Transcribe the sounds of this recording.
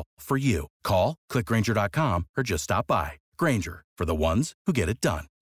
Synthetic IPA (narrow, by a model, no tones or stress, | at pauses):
fə˞jʉkʰɔlˠkʰl̥ɪk̚ɡ̥ɹẽɪ̃nd͡ʒə˞dɑt̚kʰɑ̃mə˞d͡ʒʌststɑ̰p̚b̥a̰ɪ | ɡ̥ɹẽɪ̃nd͡ʒə̰˞fə˞ðəwʌ̃nz̥huɡɛɾɨt̚d̥ʌ̰̃n